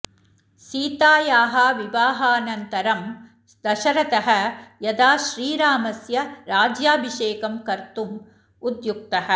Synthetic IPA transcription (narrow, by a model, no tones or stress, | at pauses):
siːt̪aːjaːɦɐʋiʋaːɦɐːɐnɐnt̪ɐɾɐm | d̪ɐʃɐɾɐt̪ɐɦɐjɐd̪aːʃɾiːɾaːmɐsjɐɾaːd͡ʒjaːbʱiʃeːkɐmkɐɾt̪um | ud̪juk̚t̪ɐɦɐ̆